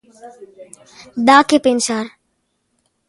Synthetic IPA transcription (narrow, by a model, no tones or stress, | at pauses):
ɗ̪aːkʰeːpeːnʃaːɾ